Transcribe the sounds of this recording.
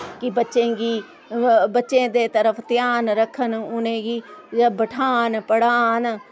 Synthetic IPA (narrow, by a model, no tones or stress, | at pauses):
kɪbətːʃẽːɡiː | bətːʃẽːd̪eːt̪əɾəpʰt̪jaːnɾəkʰːənʊnẽːɡiːbəʈʰaːnpəɽaːn